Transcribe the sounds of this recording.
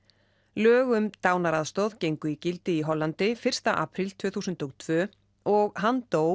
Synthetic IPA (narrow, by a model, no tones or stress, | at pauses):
lœːɣʏmt̪aːwnaɾaðst̪owðcejŋkʏicɪlt̪ɪiɦɔlːant̪ɪfɪr̥st̪aʔa̰ːpʰɾɪlt̪ʰv̥ʏːθuːsʏnt̪ɔɣt̪ʰvœː | ɔɣɦant̪oːw